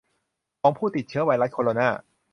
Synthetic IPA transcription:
kɔː˧ŋpʰuː˥˩t̪i˨˩t̪̚t͡ɕʰɯ˦˥ɐwaː˧jɾa˦˥t̪̚kʰoː˧ɾoː˧naː˥˩

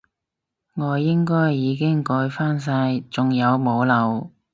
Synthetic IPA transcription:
ŋɔː˨˧jɪ˥ŋkɔː˥jːiː˨˧kɪ˥ŋkɔː˧jfaː˥ns̬aː˧jt͡sʊ˨ŋjɐ˨˧wmo˨˧wlɐ˨˧w

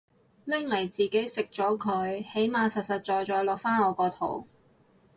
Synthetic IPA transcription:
lɪ˥ŋlɐ˨˩jt͡siː˨ke˨˥jsɪ˨k̚t͡ʃɔː˨˥kʰɵ˨˧ɥhe˨˥jmaː˨˧sɐ˨t̚sɐ˨t̚t͡ʃɔː˨jt͡sɔː˨˧˥lɔː˨k̚faː˥nɔː˨˧kɔː˧t̪ʰo̰˨˩w

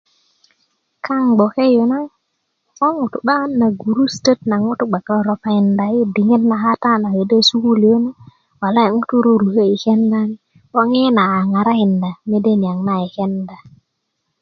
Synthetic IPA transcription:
kʰa˦ŋɡ͡bo˨ke˦jo˨na˦ | o˦ŋu˨tu˨ɓa˦nna˨ɡu˨ɾu˦stə˦tna˨ŋu˦tu˦ɡ͡ba˨ka˦˨ɾo˨pa˦i˨nda˨ji˦di˨ŋe˦tna˨ɦa˦ta˦na˨we˨de˦su˦ku˦li˨jo˦na˦ | wa˨la˦e˨ŋu˦tu˦ɾu˦ɾu˨he˦i˨ke˦nda˦ni˦ | ɓo˦ŋe˦na˨a˨ŋa˨ɾa˦i˨nda˨me˦de˦ni˨a˨ŋna˦i˨ke˦nda˨

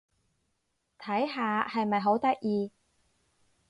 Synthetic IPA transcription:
t̪ʰɐ˨˥jɦaː˧hɐ˨jmɐ˨jɦo˨˥wt̪ɐ˥k̚jiː˨˧

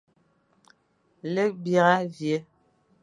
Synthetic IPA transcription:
le˦bja˨ɣa˦vje˨˦

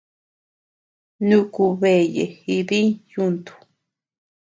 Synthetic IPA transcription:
nũ˦ku˧βe˨jḛ˨hi˧βi˦ŋju˦˧nt̪u̥˨

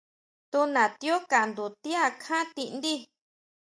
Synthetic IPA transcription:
t̪u˧nã˨t̪i˧˦o˦ka˨nd̪u˨t̪i˦a˦˧kʰã˦t̪i˧ʔnd̪i˦

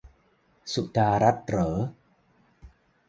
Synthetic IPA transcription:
su˨ʔ̚daː˧ɾa˦˥t̪̚ɾɤː˩˦

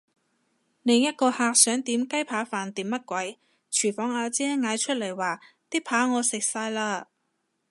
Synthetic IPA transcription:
lɪ˨˧ŋjɐ˥t̚kɔː˧haː˧k̚sœː˨˥ŋt̪iː˨˥mkɐ˥jpʰaː˨˥faː˨nt̪iː˨˥mːɐ˥t̚kʷɐ˨˥j | t͡ʃʰyː˨˩fɔː˨˧˥ŋaː˨˧t͡sɛː˥ŋaː˨˧jt͡ʃʰɵ˥t̚lɐ˨˩jwaː˨˩ | t̪iː˥pʰaː˨˥ŋɔː˨˧sɪ˨k̚saː˧jlaː˧

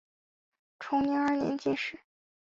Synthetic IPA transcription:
ʈ͡ʂʰʊ˧˥ŋnɛ˧˥ŋə˞˧njɛ̰˧˥nt͡ɕɛ˥˩ʂɻ̩˥˩

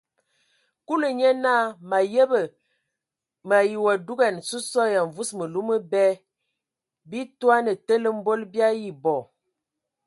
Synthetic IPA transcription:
ku˦lə˨ɲɛ˦na˦ma˨je˦bə˨ | ma˨ji˨wa˨du˦ɡa˨n˨su˦sɔ˦ja˨ɱ˨vu˦smə˨lu˦mə˦bɛ˦ | bi˦twa˦nə˨tə˦lə˦m˦bo˦lbja˦ji˨bɔ˨

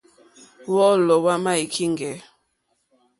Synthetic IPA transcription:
wɔ˦lɔ˨wa˦ma˦i˨kʰi˦ŋɡɛ˨˦

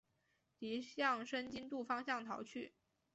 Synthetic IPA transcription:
t̪i˧˥ɕjɑ˥˩ŋʂə˥nt͡ɕi˥nt̪u˥˩fɑ˥ŋɕjɑ˥˩ŋt̪ʰɑ˧˥ʊt͡ɕʰy˥˩

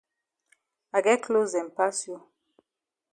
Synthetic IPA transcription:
a˨ɡɛ˦klo˦zɛ̃˨m˨pa˦sjo˦

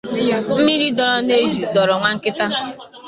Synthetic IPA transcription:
m̩˦mi˦ɾi˦dɔ˨ɾɔ˦ne˦d͡ʒu˨dɔ˨ɾɔ˨ŋʷa˨ŋ̩˦kɪ˦ta˦

